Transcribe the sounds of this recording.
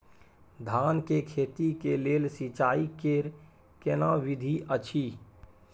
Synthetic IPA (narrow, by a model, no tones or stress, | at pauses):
d̪ʱaːnkekʰeːt̪ikeleːlsit͡ʃaːikeɾ | kenãʋɪd̪ʱiʔət͡ʃʰiː